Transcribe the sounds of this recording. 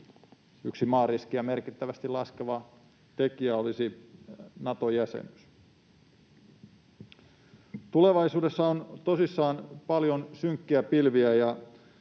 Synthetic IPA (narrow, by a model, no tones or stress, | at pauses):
yksimɑːriskiæme̞rkit̪ːæʋæst̪ilɑskeʋɑ | t̪e̞kiæo̞lisi | nɑt̪ojæsḛnys | t̪ule̞ʋɑjsuːde̞sːɑont̪o̞sisːɑːnpɑljo̞nsyŋkːiæpilʋiæjɑ